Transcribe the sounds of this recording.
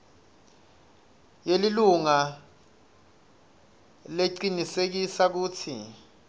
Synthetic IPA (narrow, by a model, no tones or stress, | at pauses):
jeliluŋa | leǀinisek̬isak̬uːtʰi